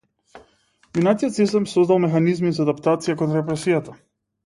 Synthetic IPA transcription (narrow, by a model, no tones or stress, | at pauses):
minat̪ijɔt̪sist̪ɛmsɔzd̪alˠmɛxanizmizaːd̪apt̪at̪sijakonɾɛpɾɛsijat̪a